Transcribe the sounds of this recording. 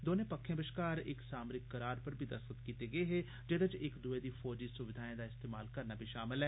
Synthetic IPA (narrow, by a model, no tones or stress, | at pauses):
d̪oːnepɐkʰːẽbɪʃkaːɾɪ̰ksaːmɾɪkːɐɾaːɾpɐɾbʱid̪ɐsət̪kiːt̪eɡɐeɦe | d͡ʒed̪əd͡ʒɪkd̪ʊed̪ifɔːd͡ʒisʊʋɪd̪ʱaːẽd̪aɪst̪eːmaːlkɐɾnaːbʱiʃaːmɪlɦɛː